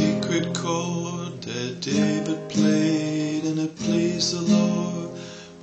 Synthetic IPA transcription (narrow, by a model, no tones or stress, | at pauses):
ikʰɹɨt̚kʰɔdɨd̥eɪvɨd̚pʰl̥eɾɨ̃nɨpʰl̥eɪzəlɔ